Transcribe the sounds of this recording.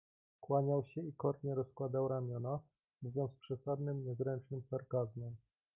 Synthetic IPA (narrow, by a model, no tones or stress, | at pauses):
kwaɲawɕɛikɔɾɲɛɾɔskwad̪awɾamʲjɔna | muvʲjɔnt̪spʂɛsad̪nɘmɲɛzɾɛnt͡ʂnɘmsaɾkazmɛm